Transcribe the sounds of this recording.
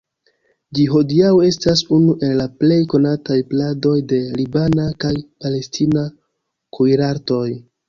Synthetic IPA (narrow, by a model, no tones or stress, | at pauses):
d͡ʒiɦo̞diawe̞stasunuʔe̞llaple̞jko̞natajplado̞jde̞libanakajpale̞stina | kujɾaɾto̞j